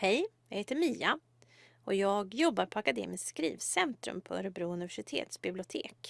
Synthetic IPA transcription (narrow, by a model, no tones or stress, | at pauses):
hɛjjɑheːt̪əɾmiːa | ɔjɑːɡjɔbːaɾpʰɔakad̪ḛːmɪskskɾḭːvsɛnt̪ɾɵ̰mpʰɔœ̰ɾəbɾuːɵnɪvæʂɪt̪ʰḛːt̪sbɪblɪʊt̪ʰḛːk